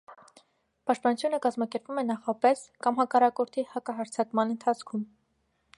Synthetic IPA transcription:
pɑʃt̪pɑnut͡sʰjunəkɑzmɑkɛɾpvumɛnɑχɑpɛskɑmɦɑkɑrɑkɔɾt̪ʰihɑkɑɦɑɾt͡sʰɑkmɑnənt̪ʰɑt͡sʰkʰum

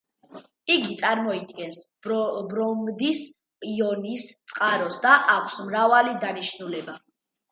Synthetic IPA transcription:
iɡit̪sʼaɾmɔid̪ɡɛns | bɾɔmd̪isʼ | iɔnist̪sʼqʼaɾɔsd̪aʔakʷʰsmɾavalid̪aniʃnulɛba

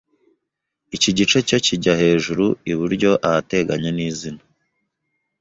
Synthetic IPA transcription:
iciɟit͡ʃe̞ce̞ciɟahe̞ːʒuɾuiβuɾɟo̞ʔahate̞ɡaɲeniːzina

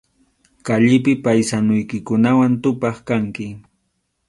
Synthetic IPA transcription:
kaʎɪp̬ɪpajsanʊjkɪkʊnawant̪ʊpɑχkaŋkɪ

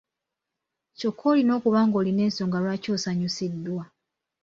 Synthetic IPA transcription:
co̞kʰːo̞lino̞ːkuβaːŋɡo̞ːline̞ːnso̞ːŋɡalwaːco̞ːsaɲusidːwa

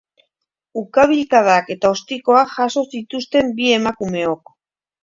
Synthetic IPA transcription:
ukaβ̞ilkaðake̞t̪ao̞st̪iko̞aʝaso̞sit̪ust̪e̞mbie̞makume̞o̞k

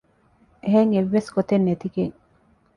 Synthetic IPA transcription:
eɦeŋeʋːeskot̪enːet̪ikeŋ

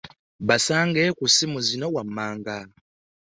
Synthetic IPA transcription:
βasaːŋɡekusimuzinowamːaːŋɡa

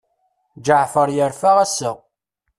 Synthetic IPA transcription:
d͡ʒəʕfəɾˤjəɾfæʁæsə

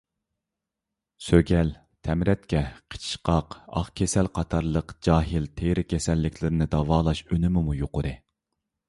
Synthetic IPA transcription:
søɡʲɛl | t̪ʰɛmɾɛt̪̚kʲɛqʰə̥t͡ʃʰi̥ʃqɑqɑ̰χkʲʰesɛlqʰɑt̪ʰɑɾlˠəqd͡ʒɑːɦɪlt̪ʰeɾɪkʲʰesɛlːɪkʲʰlɪɾɪnɪd̪ɑvɑːlˠɑʃønɪmɪmujoqʊɾɨ

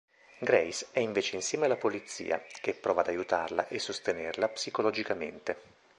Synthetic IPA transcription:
ɡɾɛjsɛiɱveːt͡ʃeinsjɛːmelapolit̪sḭːa̰k̟epːɾɔːvad̪ajut̪arlaʔesːost̪enerlapsikolɔd͡ʒikamḛnt̪e

